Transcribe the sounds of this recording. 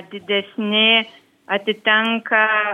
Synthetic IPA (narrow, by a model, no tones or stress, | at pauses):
d̪id̪esine | at̪it̪aŋka